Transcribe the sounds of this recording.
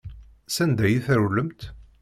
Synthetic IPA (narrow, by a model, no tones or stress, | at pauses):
sænd̪æjiθɾulːəmt̪